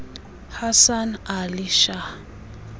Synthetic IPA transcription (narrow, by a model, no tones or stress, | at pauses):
hasanaliʃa